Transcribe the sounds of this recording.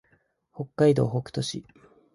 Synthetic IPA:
ho̞kːaid̪o̞̰ːɦokɯ̟̥t̪o̞ɕḭ

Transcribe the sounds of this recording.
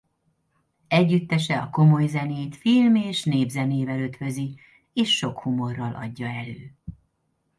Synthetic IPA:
ɛɟːyt̪ːɛʃɛɒko̞mo̞jzɛneːt̪filmeːʃneːbzɛneːvɛløt̪hø̞zi | eːʃːo̞khumo̞rːɒlʔɒ̰ɟːɒɛløː

